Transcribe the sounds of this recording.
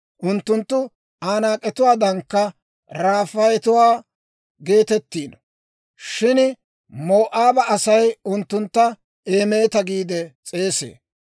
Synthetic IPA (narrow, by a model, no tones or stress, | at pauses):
ʔʊnt̪ːʊnt̪ːʊ | aːnaːkʼɛt̪ʊwaːd̪ɐŋkːɐ | ɾaːfɐjt̪ʊwaː | ɡe̞ːt̪ɛt̪ːiːn | ʃɪn | moːʔaːbɐʔɐsɐjʊnt̪ːʊnt̪ːɐ | e̞ːme̞ːt̪ɐɡiːd̪ɛt͡sʼe̞ːsḛː